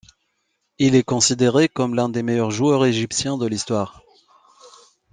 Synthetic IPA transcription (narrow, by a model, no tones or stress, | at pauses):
ilɛkɔ̃sid̪eʁekɔmlɛ̃d̪emejœʁʒuœʁeʒipsjɛ̃d̪əlist̪waːʁ